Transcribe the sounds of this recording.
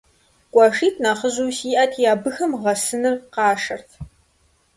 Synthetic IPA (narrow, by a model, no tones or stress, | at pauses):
kʷʼɑʂiːtʰnaːχəʑuwsiːʔɐtʰjaːbɨxɐmʁɐsɨnɨrqɑːʂɐrtʰ